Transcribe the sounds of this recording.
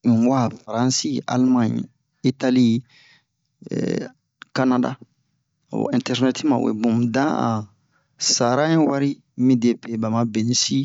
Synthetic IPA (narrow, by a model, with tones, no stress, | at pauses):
wa˦faɾã˦nsi˦a̰˨lmã˦ɲ | i˦tali˦ | ka˦na˦da̰˦˨ | ɛ̃ntɛ˦ɾnɛti˦mã̰˨wḛ˨bũ˨mdã˦a̰˨ | sa˨ɾã˦ĩ˦wa˦ɾi˦ | mĩ˦de˨pe˨ba˨ma˨be˨nĩ˦si˦